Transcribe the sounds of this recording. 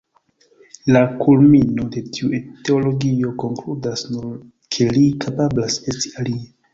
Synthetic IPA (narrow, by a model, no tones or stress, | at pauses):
lakʰulmino̞de̞tʰiuete̞olo̞ɡio̞ko̞ŋkludasnuɾ | kʰe̞likʰapablase̞sti̥alie